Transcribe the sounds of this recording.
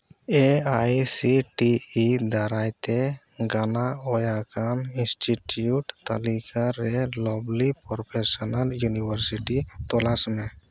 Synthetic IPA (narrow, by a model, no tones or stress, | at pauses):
eajsiʈiid̪aɾajt̪eɡanaɔjakaninsʈiʈjuʈt̪əlikaɾelɔblipɔɾpʰesənəljunibəɾsiʈit̪ɔlasmẽ